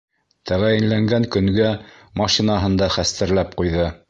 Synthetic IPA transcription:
t̪æʁæjɘ̆nlæŋɡæŋkɵ̆ŋɡæmɑʃinɑɦɤ̆nd̪ɑχæst̪ɘ̆ɾlæpqujðɤ

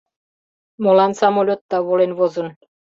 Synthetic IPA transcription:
molɑnsɑmolʲot̪ːɑβolenβozɤ̆n

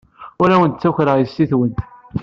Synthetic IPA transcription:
ʊɾæwənt̪t͡sːuçɾəjəsːiθwənt̪

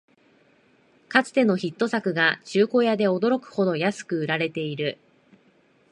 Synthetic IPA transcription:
kat͡sɨ̥t̪e̞no̞çit̪ːo̞sakɯ̟ɡat͡ɕɨːko̞ːjad̪e̞o̞d̪o̞ɾo̞kɯ̟̥ho̞d̪o̞jasɨ̥kɯ̟ɯ̟ɾaɾe̞t̪e̞iɾɯ̟

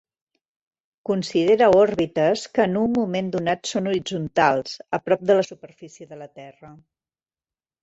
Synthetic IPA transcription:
kunsiðeɾəɔrβit̪əskəːnummːumend̪unat̪sonuɾid͡zunt̪alˠzəpɾɔp̚d̪ələsupəɾfisiəðələt̪ɛrə

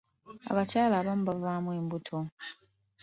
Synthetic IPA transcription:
a̰βacaːlaːβamuβavaːmweːmbutʰo

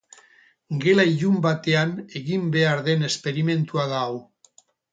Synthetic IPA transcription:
ɡe̞laiʎumbat̪e̞ane̞ɣimbe̞aɾðe̞ne̞spe̞ɾime̞nt̪uaðaw

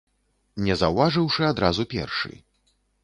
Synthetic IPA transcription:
nʲɛzɐwvaʐɨwʂɨad̪ɾazupʲɛ̰rʂɨ̰

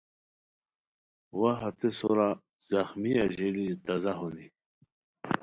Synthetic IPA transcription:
waɦat̪esoɾa | z̥ɐxmiaʑilit̪ɐzaɦuni

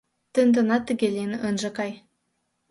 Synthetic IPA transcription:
t̪ə̆nd̪ɤ̆nɑt̪ːə̆ɡʲelʲenʔɤnʒɤ̆kɑj

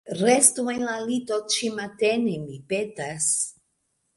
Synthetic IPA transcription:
ɾest̪uenlalit̪ot͡ʃimat̪enemipetas

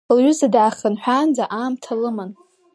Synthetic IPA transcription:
lɥʊzadaːχanħʷᶣand͡zaʔaːmtʰalɨman

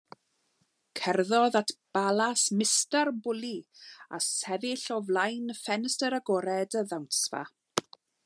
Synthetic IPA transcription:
kʰɛrðɔðatʰb̥alˠasmɪstarbʊlˠiasɛvɪɬɔvlajnfɛnəstəɾaɡɔɾɛdəðawnsva̰

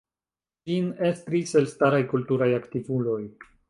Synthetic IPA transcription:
d͡ʒine̞stɾise̞lstaɾajkultuɾajaktivulo̞j

